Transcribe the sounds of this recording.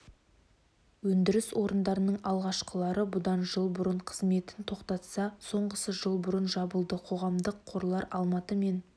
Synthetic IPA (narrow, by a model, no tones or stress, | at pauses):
wɵnd̪ɪɾɪswo̞ɾənd̪ɑɾənəɴɑlˠʁɑʃqəlˠɑɾəbʊd̪ɑnʒəlˠbʊɾəɴqʰəzme̞t̪ɪnt̪ʰo̞qt̪ɑt̪sɑso̞ɴʁəsəʒəlˠbʊɾənʒɑbəlˠd̪əqʰo̞ʁɑmd̪əqʰːo̞ɾlˠɑɾɑlˠmɑt̪əme̞n